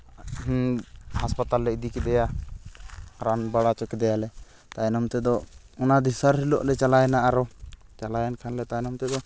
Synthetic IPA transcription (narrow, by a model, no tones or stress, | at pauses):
haspat̪alːɛid̪ikɛd̪ɛja | ɾanbaɽat͡ʃɔkɛd̪ɛjalɛ | t̪ajnɔmt̪ɛd̪ɔ | ɔnad̪isaɾɾilɔʔlɛt͡ʃalajɛnaʔaɾɔt͡ʃalajankʰanlɛt̪ajnɔmt̪ɛd̪ɔ